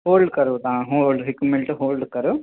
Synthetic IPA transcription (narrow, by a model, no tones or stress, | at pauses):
hoːlɖkɐɾut̪ãːɦoːlɖɦikumeɳʈɦoːlɖkɐɾu